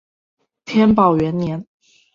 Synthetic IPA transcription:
t̪ʰjɛ˥npɑ˨˩ʊɥɛ˧˥nnjɛ˧˥n

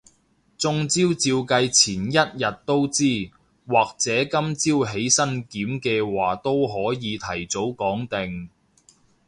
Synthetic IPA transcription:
t͡sʊ˧ŋt͡siː˥wt͡siː˧wkɐ˧jt͡sʰiː˨˩njɐ˥t̚jɐ˨t̚t̪o˥wt͡siː˥˩ | waː˨k̚t͡sɛː˨˥kɐ˥mt͡siː˥wɦe˨˥jsɐ˥nkiː˨˥mkɛː˧waː˨˩t̪o˥wɦɔː˨˥jiː˨˧t̪ʰɐ˨˩jt͡so˨˥wkɔː˨˥ŋt̪ɪ˨ŋ

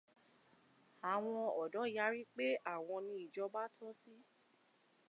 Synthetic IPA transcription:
a˨w̃ɔ̃˧ɔ˨dɔ˨˦˨ja˨˦ɾi˦k͡pe˦ʔa˦˨w̃ɔ̃˧nĩ˧i˨d͡ʒɔ˧ba˦tʰɔ˦si˦

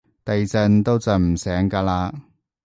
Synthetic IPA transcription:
t̪ɐ˨jt͡sɐ˧nt̪o˥wt͡sɐ˨˩m̩˨˩sɛː˨˥ŋkaː˧laː˧

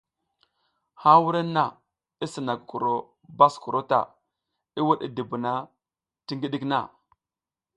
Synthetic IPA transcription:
ha˦wu˦ɾe˦nːa˦˨ | i˦si˨na˨kku˨ɾo˨ | ba˦sku˨ɾo˦ta̰˨ | i˦wu˦ɗi˦di˨bu˨na˦ | ti˦ŋɡi˦ɗi˦kna̰˦˨

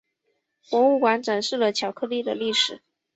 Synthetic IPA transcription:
kwɔ˧˥u˥˩kwa˧˥nʈ͡ʂə˨˩nʂɻ̩˥˩lə˩t͡ɕʰjɑ˨˩ʊkʰɤ˥˧li˥˩d̪ə˩li˥˩ʂɻ̩˨˩˦

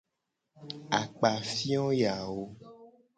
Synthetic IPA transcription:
a˨k͡pa˨fi˦ɔ̃˦ja˨wo˦

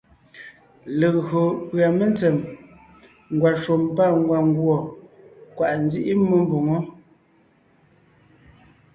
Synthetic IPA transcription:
le˨ɣo˨pɰa˨me˦nt͡sɛ˨m | ŋ˨ɡwa˨ʃo˨mpa˦˨ŋ˦ɡwa˨ŋ˦ɡwɔ˨ | kwa˨ʔn̩˦zi˦ʔi˦mə˦m˦bo˨ŋɔ˦

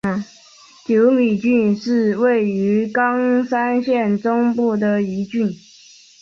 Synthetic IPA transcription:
t͡ɕjo˧˥ʊli˨˩t͡ɕy˥˧nʂɻ̩˥˩we˥˩ɪy˧˥kɑ˥ŋsa˥nɕjɛ˥˩nʈ͡ʂʊ˥ŋpu˥˩d̪ə˩i˧˥t͡ɕy˥˩n

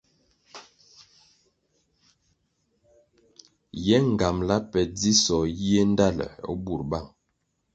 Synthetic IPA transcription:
jɛ˦ŋ˨ɡa˨mla˦pɛ˨d͡zi˦sɔ˨ji˦e˦n̩˦da˦lə̰˨o̰˦bu˨ɾba˦˨ŋ

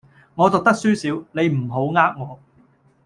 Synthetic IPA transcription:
ŋɔː˨˧t̪ʊ˨k̚t̪ɐ˥k̚syː˥siː˨˥wne˨˧jm̩˨˩ɦo˨˥wŋaː˥k̚ŋɔː˨˧

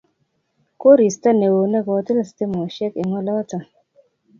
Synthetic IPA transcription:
ko˦ɾi˨sta˦ne˨wo˨ne˦˨kɔ˨˦ti˦la˨ste˦mɔ˨ʃɛ˦ke˨ŋɔ˦lɔ˦ta˨

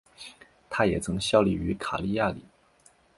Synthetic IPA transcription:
t̪ʰa˥jɛ˨˩t͡sʰɤ˧˥ŋɕjɑ˥˩ʊli˨˩y˧˥kʰa˨˩li˥˧ja˥˩lḭ˨˩˦

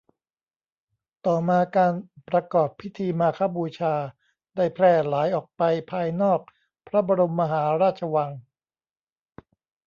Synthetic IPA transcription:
t̪ɔː˨˩maː˧kaː˧npɾa˧kɔː˨˩pʰːi˦˥t̪ʰiː˧maː˧kʰa˦˥buː˧t͡ɕʰaː˧ | daː˥˩jpʰlɛː˥˩laː˩˦jʔɔː˨˩k̚pa˧jpʰaː˧jnɔː˥˩k̚ | pʰɾa˦˥bɔː˧ɾo˧mːa˧ɦaː˩˦ɾaː˥˩t̪̚t͡ɕʰa˧wa˧ŋ

